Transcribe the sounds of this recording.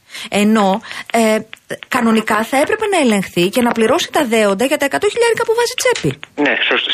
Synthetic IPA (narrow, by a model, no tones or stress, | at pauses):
e̞no̞ | kɐno̞nikɐθɐe̞pɾe̞pe̞nɐe̞le̞ŋxθice̞nɐpliɾo̞si̥t̪ɐðe̞o̞nd̪ɐʝɐt̪ɐe̞kɐt̪o̞çiʎɐðikɐpuvɐzit͡se̞pinesost̪